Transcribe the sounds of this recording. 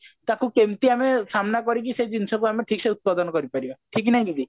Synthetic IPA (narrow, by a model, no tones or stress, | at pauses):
t̪akukemt̪iamesamnakɔɾik̬ised͡ʒinsɔkuameʈʰikseut̪̚pad̪ɔnɔkɔɾipaɾibaʈʰik̬naɦĩkik̪i